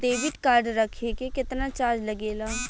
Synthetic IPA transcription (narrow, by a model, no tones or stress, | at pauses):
d̪eːʋɪʈkaːɾɖɾəkʰekekɪt̪nat͡ʃaːd͡ʒləɡeːlaː